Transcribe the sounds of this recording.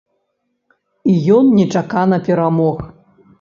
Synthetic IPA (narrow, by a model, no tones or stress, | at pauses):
ijɔnnʲɛt͡ʂakanɐpʲɛɾamɔx